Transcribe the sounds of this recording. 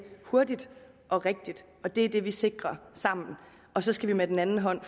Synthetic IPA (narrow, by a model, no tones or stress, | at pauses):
hoɐdid̥ | ʔɒ̽ʁeɡ̥̚d̥id̥ | ɒ̽d̥e̝æɐd̥e̝ʋise̝ɡ̥ʁɐsɑ̈m̰n̩ | ɒ̽sɒ̽sɡ̥æʋimed̥en̩ænn̩ɦɒ̽n̰f